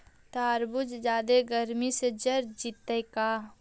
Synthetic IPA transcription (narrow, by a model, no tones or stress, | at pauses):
t̪aːɾbʊd͡ʒd͡ʒaːd̪eɡəɾmised͡ʒɐɾd͡ʒit̪ːəjkaː